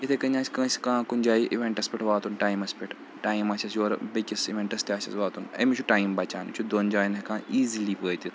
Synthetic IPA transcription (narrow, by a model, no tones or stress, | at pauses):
it̪ʰekɐɲãːsʲkɐ̃sʲkãːkunʲd͡ʒaːiʔiʋẽɳʈɐspʲiʈʰʋaːt̪unʈaːjmɐspiʈʰ | ʈaːjmɐːsʲɐsjoːɾbɐkʲisiʋeɳʈɐst̪iaːsʲɐsʋaːt̪unɐ̰mit͡ʃʰuʈaːjmbɐt͡ʃaːnt͡ʃʰud̪oːnd͡ʒaːjnekãːiːziliːpəːt̪ʲit̪